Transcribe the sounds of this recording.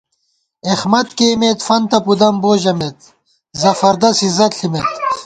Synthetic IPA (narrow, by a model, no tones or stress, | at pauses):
exmɐt̪keːmet̪fɐnt̪ɐpud̪ɐmboːʑɐmet̪̚ | zɐfɐɾd̪ɐsizɐt̪ɬimet̪